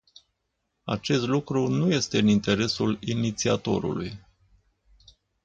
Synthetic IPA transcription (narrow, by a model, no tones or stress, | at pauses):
a̰t͡ʃe̞st̪lukɾunuje̞st̪e̞ɨnint̪e̞ɾe̞sulinit̪siat̪o̞̰ɾṵluj